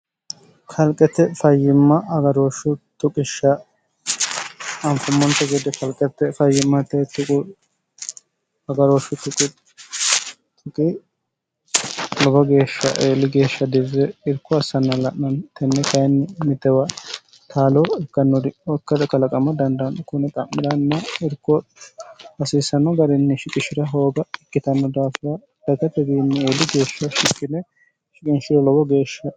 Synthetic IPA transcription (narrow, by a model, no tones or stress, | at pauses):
kʰɐlkʼɛt̪ːɛfɐjːɪmːɐɐɡɐɾoːʃʊt̪ʊkʼɪʃːɐ | ɐmfʊmːɔnt̪ɔɡid̪ɛkɐlkʼɛt̪ːɛfɐjːɪmːɐt̪ːɛt̪ːʊkʼʊ | ɐɡɐɾoːʃːʊt̪ʊkʼːɪ | t̪ʰʊkʼɪ | lɔbɐɡeːʃːɐ̰ʔeːlɪɡe̞ːʃːɐd̪ɪzɛɪɾkːɔɐsːɐnːɐlɐʔnɐnt̪ɛnːɛkɐjnːɪmɪt̪ːɛwɐ | t̪ʰaːloɛkːɐnːɔd̪ɪɔkːɐd̪ɐkɐlɐkʼɐmɐd̪ɐnd̪ɐnːɔkʊnɛkʼɐmːɪd̪ɐnːɐɪɾkːɔ | hɐsiːsːɐnːɔɡɐɾɪnːɪʃɪkʼɪʃɪɾɐɦo̞ːɡɐɪkːɪt̪ɐnːɔd̪aːfɾɐ | d̪̥ɐɡ̪ɐt̪ːɛɡiːnːɪeːlːɪɡe̞ːʃːɐʃɪkːɪnɛ | ʃɪkʼɪnʃɪlɔbɔɡe̞ːʃːɐ